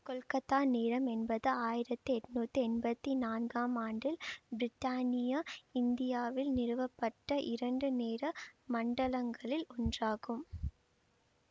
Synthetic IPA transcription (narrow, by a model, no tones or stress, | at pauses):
kɔlkɐt̪ːaːneːɾɐmɛnbɐðɯaːjɪɾɐt̪ːɯɛʈːnuːt̪ːɯɛnbɐt̪ːinaːnɡaːmaːɳɖɪlbɪɾɪʈːaːnɪjɐɪnd̪ɪjaːʋɪlnɪɾɯʋɐpːɐʈːɐʔɪɾɐɳɖɯneːɾɐmɐɳɖɐlɐŋɡɐɭɪlɔndraːɣɯm